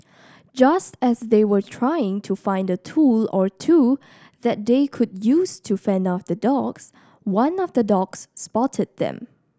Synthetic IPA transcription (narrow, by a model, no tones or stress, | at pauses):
d͡ʒastɛsðewə˞tʰɹaɪɪ̃ŋtʰufãɪ̃ndətʰulɔɹtʰu | ðɛt̚d̪ekʰʊdjustʰufɛ̃ndaʊf̚dədɔɡs | wãnɔvdədɔɡ̥sːpɔtʰəd̚ðɛ̰̃m